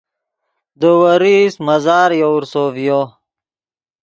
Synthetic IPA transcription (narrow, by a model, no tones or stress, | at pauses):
d̪əwɐɾismɐzaːɾjouɾsoːvijo